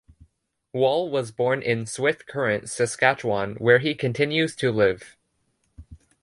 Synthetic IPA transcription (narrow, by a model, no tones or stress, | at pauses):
wɔlˠwʌzbɔɹnʔɪ̃nswɪθkʰɜ˞ɨ̃ntsɨskæt͡ʃwɑ̃nwə˞ikʰɨ̃ntʰɪ̃njʉz̥tʰɨlɪv̥